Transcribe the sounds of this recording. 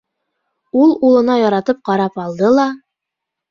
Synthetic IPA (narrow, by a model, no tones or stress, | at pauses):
ulˠulˠɤ̆nɑjɒɾɑt̪ɤp̚qɑɾɑpɑlˠd̪ɤlˠɑ